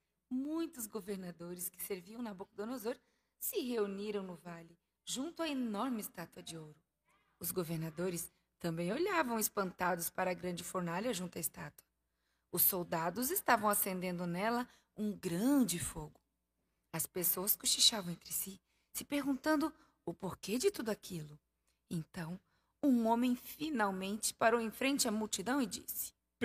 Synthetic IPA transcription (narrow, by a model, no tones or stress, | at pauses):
mũj̃t̪ʊzɡoveɾnad̪oɾɪskɪ̥seɾviɐ̃w̃nɐbokɐd̪onozoɾ | sɪɦeuniɾɐ̃w̃nʊvalɪ | ʒũnt̪ʊɐenɔɾmɪɪst̪at̪uɐd͡ʒɪowɾʊ | ʊzɡoveɾnad̪oɾɪs | t̪ɐ̃mbẽj̃oʎavɐ̃w̃ɪspɐ̃nt̪ad̪ʊspaɾɐɡɾɐ̃d͡ʒɪfoɾnaʎɐʒũnt̪ʊɐɪst̪at̪uɐ | ʊsːowd̪ad̪ʊzɪst̪avɐ̃w̃asẽnd̪ẽnd̪ʊnɛlɐ | ũɡɾɐ̃d͡ʒɪfoɡʊ | ɐspesowɐskoʃiʃavɐ̃w̃ẽnt̪ɾɪsi | sɪpeɾɡũnt̪ɐ̃nd̪ʊ | ʊpoɾked͡ʒɪt̪ud̪ʊakʰilʊ | ẽnt̪ɐ̃w̃ | ũõmẽj̃finawmẽnt͡ʃɪ̥paɾowẽfɾẽnt͡ʃɪɐmuwt͡ʃid̪ɐ̃w̃ɪd͡ʒḭsɪ̥